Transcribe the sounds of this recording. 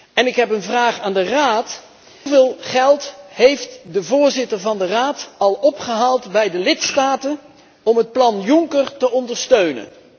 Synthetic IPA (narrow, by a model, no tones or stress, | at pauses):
ɛnɪkɦɛpənvraːχaːndəraːt | vɪːlˠχɛlˠtɦejftdəvʊːɹzɪtəɹvɑndəraːtɑlˠɔpχəɦaːlˠtbɛjdəlɪtstaːtən | ɔmɦət̚plɑnjʊŋkərtəɔndəɹstøɥnə̰n